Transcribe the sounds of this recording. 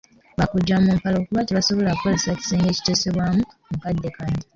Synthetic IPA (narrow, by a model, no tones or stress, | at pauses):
βakuɟamoːmpalo̞ːkuβatiβaso̞βo̞lakuko̞le̞saci̥seːŋɡe̞ːci̥tose̞βwaːmu | mukadːekaːɲi